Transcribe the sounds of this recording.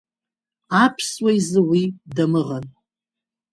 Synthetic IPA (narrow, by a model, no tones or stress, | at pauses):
apʰswajzɨwidamɨʁan